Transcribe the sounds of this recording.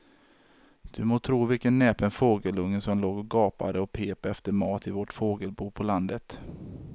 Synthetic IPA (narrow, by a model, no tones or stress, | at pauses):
d̪̥ɵmoːt̪ʰɾuːvɪlkənːɛːpənfoːɡəlɵŋːnsɔmloːɡɔɡɑːpa̰d̪əɔpʰeːpɛft̪əɾmɑːt̪ɪvoʈfoːɡəlbuːpʰɔland̪ət̪